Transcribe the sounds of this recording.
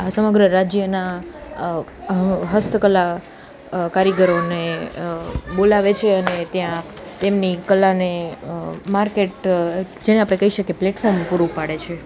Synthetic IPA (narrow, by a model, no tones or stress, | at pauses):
asəməɡɾəɾad͡ʒjəna | ɦəst̪ʰəkəlːa | kaɾəɡəɾone | bolaʋet͡ʃʰeənet̪jã | t̪emnikəlːane | maɾkeʈd͡ʒeneapɽ̃ekəɦiʃəkepleʈfɔɾmpuɾũpaɽet͡ʃʰe